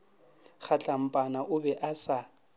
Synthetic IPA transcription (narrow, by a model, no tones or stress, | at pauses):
χat͡ɬʼam̩pʼanaʔʊbɛʔasa